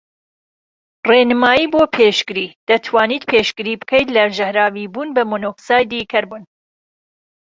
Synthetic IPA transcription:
renɨmaːjiːboːpʰeːʃɡɨɾiːd̪̥ɐt̪ʰwaːniːt̪̚pʰeːʃɡɨɾiːbɨkʰɛjt̪lɐʒɐhɾaːviːbuːnbɐmonoːksaːjd̪ikʰɐɾbuːn

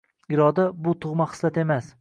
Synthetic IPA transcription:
ɪɾɒd̪abʊt̪ʰʊʁmaχɨ̥slat̪e̞mas

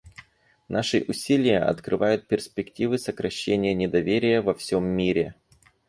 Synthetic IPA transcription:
nʔaʂɨʔʊsʲilʲɪjəʔɐ̰t̪kɾɨvajʊt̪̚pʲɪrspʲɪktʲivɨsəkɾɐɕːenʲɪjənʲɪd̪ɐvʲeɾʲɪjəvɐfsʲomːʲiɾʲɪ

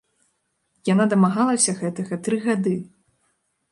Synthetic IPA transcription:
janad̪ɐmaɣalˠɐwsʲɐɣɛt̪ɐɣɐt̪ɾɨɣad̪ɨ

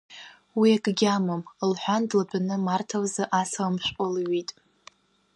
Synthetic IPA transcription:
wiakʼɡʲamamlħʷᶣandlabʰanɨmartʰawzaʔasamʃʷʼalɥitʼ

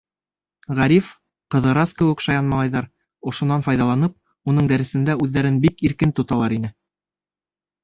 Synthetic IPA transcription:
ʁæɾif | qɤ̆ðɤ̆ɾɑskɘ̆wɘ̆kʃɑjɑnmɑlˠɑjðɑɾ | ŏʃŏnːɑnfɑjðɑlˠɑnɤp̚ | unɤɴd̪æɾɘ̆sɘ̆nd̪æʉðːæɾɘnbikiɾkɘnt̪ŏt̪ɑlˠɑɾinɘ

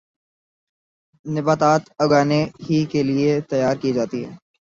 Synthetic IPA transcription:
nɪbaːt̪aːt̪ɐɡaːneɦikeliet̪ɐjaːɾkid͡ʒaːt̪iɦɛ̰ː

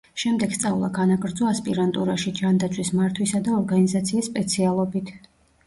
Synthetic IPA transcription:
ʃɛmd̪ɛɡ̥st̪sʼaulˠa̰ɡanaɡɾd̪zɔaspʼiɾant̪ʼuɾaʃid͡ʒand̪at̪sʰwismaɾt̪ʰwisad̪aɔɾɡanizat̪sʰiːsːpʼɛt̪sʰialˠɔbit̪ʰ

